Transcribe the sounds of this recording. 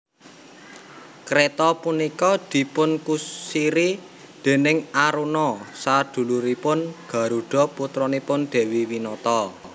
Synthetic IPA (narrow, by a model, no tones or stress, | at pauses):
kɾet̪ɔpunikɔd̪̥i̤pʊnkusiɾi | d̪̥e̤nɪŋaɾunɔsad̪̥ṳluɾipʊnɡ̥ä̤ɾuɖ̪̥ɔ̤put̪ɾɔnipʊnɖ̪̥e̤wiwinɔt̪ɔ